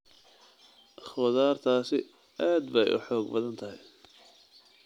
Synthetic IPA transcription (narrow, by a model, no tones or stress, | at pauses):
ʔɑχwɐðaːrt̪ʰaːsɪ | ʔaːd̪bɛjʔʊ̰ħɔːɡbɐðɐnt̪ʰɐɦɪj